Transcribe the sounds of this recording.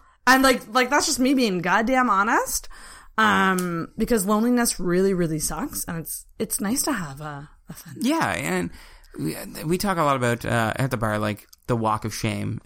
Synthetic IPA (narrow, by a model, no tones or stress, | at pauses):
ɨ̃nlaɪklaɪk̚ðætsd̥ʒ̥ʌs̚mibiɪ̃ŋɡɑd̚dɨɪãɪ̃mɑnɨst̚ʌ̃mb̥ɨkʌzlõʊ̃nlinɨsɹɪlˠiɹɪlˠisʌksɨ̃nɨts | ɨtsnaɪstʰɨəvʌː | θʌ̃njæɨ̃n | witʰɔkəlɔɾəbaʊɾʌ̰ʔɨ̰t̪̚ðəbɑ̰ɹla̰ɪkðəwɔkʌv̥ʃḛ̃ɪ̃m